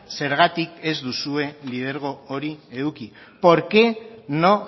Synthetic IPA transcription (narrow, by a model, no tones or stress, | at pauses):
se̞ɾɣat̪ike̞zd̪usue̞lið̞e̞ɾɣ̞o̞oɾie̞ðuki | po̞ɾke̞no̞